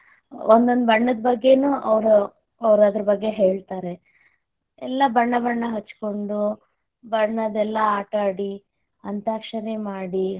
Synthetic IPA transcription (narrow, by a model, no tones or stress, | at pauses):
ond̪ond̪ubɐɳːɐd̪ɐbɐɡːe̞nuːʔɐʋɾu | ɐʋɾaːd̪ɾɐbɐɡːe̞ɦe̞ːɭt̪aːɾe̞ | ɛlːɐbɐɳːɐbɐɳːɐɦɐt͡ʃːko̞ɳɖu | bɐɳːɐd̪ɛlːɐaːʈaːɽi | ɐnt̪aːkʂɐnemaːɽi